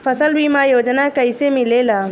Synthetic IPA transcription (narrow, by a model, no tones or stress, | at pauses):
fʰɐsəlbʱimãːjoːd͡ʒnakɐɪsemɪlelaː